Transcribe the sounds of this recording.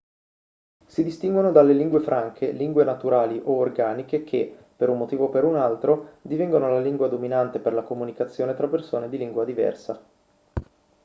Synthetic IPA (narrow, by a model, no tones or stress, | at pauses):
sid̪ist̪iŋɡwonod̪alːeliŋɡwefɾʔaŋkʰeliŋɡwenat̪uɾaːliʔoːrɡaːnikekʰepeɾummot̪iːvopeɾunalt̪ɾod̪ivɛŋɡonolaliŋɡwad̪ominant̪eperlakomunikat̪sːjoːnet̪ɾapːersoːned̪iliŋɡwad̪ivɛ̰rsa